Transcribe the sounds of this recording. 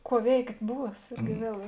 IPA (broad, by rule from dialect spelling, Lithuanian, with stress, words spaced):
ˈkuɔ ˈʋʲɛɪktʲ ˈbuːs ˈɪrʲɡʲɪ ˈʋʲiɛlˠ